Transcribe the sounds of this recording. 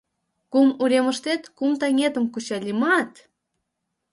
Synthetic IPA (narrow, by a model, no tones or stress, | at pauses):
kumuɾʲemə̆ʃt̪et̪kumt̪ɑŋʲet̪ə̆mkut͡ɕɑlʲimɑt̪